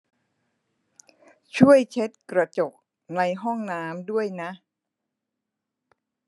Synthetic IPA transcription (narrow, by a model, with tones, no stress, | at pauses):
t͡ɕʰu˥˩əjt͡ɕʰe˦˥t̪̚kɾa˧t͡ɕo˨˩k̚ | na˧jɦɔ˥˩ŋnaː˦˥mdu˥˩əjna˦˥ʔ